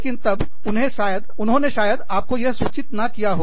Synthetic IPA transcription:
leːkɪnt̪ɐb | ʊnɦẽʃaːjəd̪ʊnɦõneʃaːjəd̪aːp̚kojɐɦswuːt͡ʃɪt̪nɐkijaɦoː

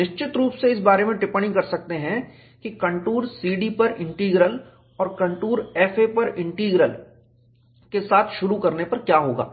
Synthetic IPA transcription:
nɪʃt͡ʃɪt̪ɾuːpseɪs̬baːɾemẽʈɪpəɽ̃ĩkɐɾsɐk̚t̪eɦɛ̃ | kikɐ̃ɳʈuːɾsiːɖipɐɾɪ̃ɳʈiːɡɾəl | ɔːɾkɐ̃ɳʈuːɾɛːfepɐɾɪ̃ɳʈiːɡɾəl | kesaːt̪ʰʃʊɾukɐɾnepɐɾkjaːɦoːɡa̰ː

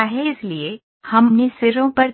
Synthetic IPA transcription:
aɦeɪslie | hɐmnesɪɾõpɐɾ

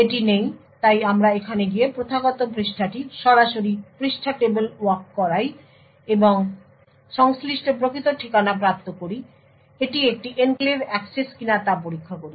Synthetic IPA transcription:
eʈinejt̪ajamɾaekʰaneɡijepɾot̪ʰaɡɔt̪opɾiʃʈʰaʈiʃɔɾaʃoɾipɾiʃʈʰaʈebelwaɾkːɔɾaj | eboŋ | ʃɔŋsliʃʈopɾokʰit̪oʈʰikanapɾap̚t̪okoɾi | eʈiek̚ʈiʔenklebɛkseskinat̪apoɾikʰːakoɾi

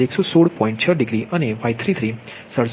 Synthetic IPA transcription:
eksɔsoɽpɔ̃ĩɳʈ̚t͡ʃʰəɾɖiɡɾiəneʋajt̪ʰɾit̪ʰɾi | səɽs

